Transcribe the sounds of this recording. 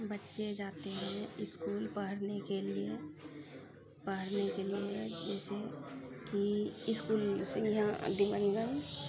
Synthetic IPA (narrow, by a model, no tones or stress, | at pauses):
bətːʃed͡ʒaːt̪eɦɛ̃ɪskuːlpəɦəɽnekelie | pəɦəɽnekelied͡ʒɛːsekiɪskuːlsẽjãd̪ɪʋə̃ŋɡən